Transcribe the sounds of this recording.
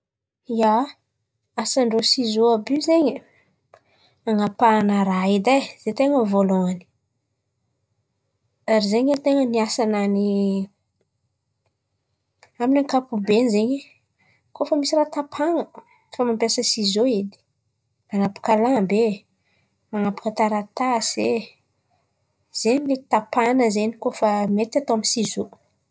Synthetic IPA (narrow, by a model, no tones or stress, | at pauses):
ja | asaɳɖ͡ʐosizoabizeɲə | aŋapanaɾaid̪az̥et̪eŋəvoloŋani̥ | aɾizeɲat̪eŋəniasanani | aminaŋkapubenizeɲe | kofəmisirat̪apʰaŋə | famampjasəsizoed̪i̥ | manapḁkalabe | manapḁkət̪aɾat̪ase | z̥eɲmet̪i̥t̪apanəzenikofəmet̪at̪oaminsizo